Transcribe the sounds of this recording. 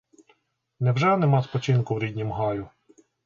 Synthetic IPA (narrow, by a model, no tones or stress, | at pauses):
nɛwʒɛnɛmɑspɔt͡ʃinkʊwɾʲid̪ʲnʲimɦɑjʊ